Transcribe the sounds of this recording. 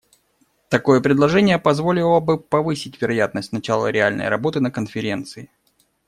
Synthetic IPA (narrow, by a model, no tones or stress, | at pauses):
t̪ɐko̞jəpɾʲɪd̪lˠɐʐɛnʲɪjəpɐzvo̞lʲɪlˠəbɨpɐvɨsʲɪtʲvʲɪɾɐjat̪nəsʲt̪ʲnɐt͡ɕalˠə̰ɾʲɪalʲnə̰jɾɐ̰bo̞t̪ɨnəkənfʲɪɾʲe̞nt̪sɨɪ